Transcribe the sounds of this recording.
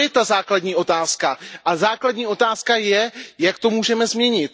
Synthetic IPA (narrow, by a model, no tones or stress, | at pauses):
ɛt̪azaːkladɲiːʔo̞t̪aːskaʔazaːkladɲiːo̞t̪aːskajɛjakt̪o̞muːʒɛmɛzmɲɛɲɪt̪